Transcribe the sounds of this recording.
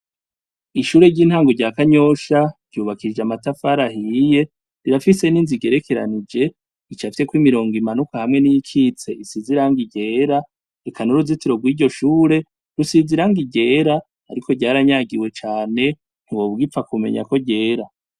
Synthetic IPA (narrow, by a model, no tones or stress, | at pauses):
iʃuːɾe̞ɾɟiːnhaːŋɡoɾɟaːkaɲo̞ʃaɾ̥ɟ̥uːβakʰid͡ʒeamatafaɾaɦije̞ | ɾiɾafise̞ninziɡeɾe̞kʰe̞ɾa̰nid͡ʒe̞ | it͡ʃafi̥se̞kwimiɾo̞ːŋɡimanukahamŋe̞nijikʰit͡se̞ʔisiziɾaŋɡiɟe̞ːɾa | ɾekʰanuɾuzitiɾo̞ɡwiːɟo̞ʃuːɾe̞ | ɾusiziɾaŋɡiɟe̞ːɾaː | ɾiko̞ɟaːɾaɲaɡiwe̞t͡ʃaːne̞ | ŋɡo̞βɡip̪fakume̞̰ɲa̰ko̞ɟe̞ːɾa